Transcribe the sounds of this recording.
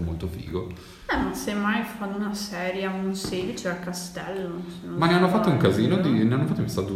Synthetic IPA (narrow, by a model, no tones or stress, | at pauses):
molt̪ofḭːɡo | ɛmasemajfanːunasɛːɾjaunseːd̪it͡ʃeakast̪ɛlːosenõmaneanːofat̪ːouŋkaziːnod̪ineanːofat̪ːoimist̪ad̪u